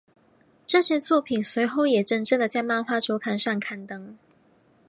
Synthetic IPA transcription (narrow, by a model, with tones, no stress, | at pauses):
ʈ͡ʂɤ˥˧ɕjɛ˥t͡swɔ˥˩pʰi˨˩nswe˨˧˥ɪxo˥˩ʊjɛ˨˩ʈ͡ʂə˥˧nʈ͡ʂə˥˩ŋd̪ə˨˩t͡ɕja˥˧ɪma˥˧nxwa˥ʈ͡ʂʰjo˧˥ʊkʰa˧˥nʂa˥˩ŋkʰa˧˥nt̪ɤ˧˥ŋ